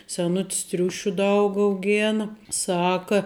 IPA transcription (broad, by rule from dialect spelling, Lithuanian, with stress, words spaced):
sʲɛˈnʊtʲɪs ˈtʲrʲʊʃʲʊ ˈdɐʊk ɐʊˈɡʲeːnɐ ˈsɑːkɐ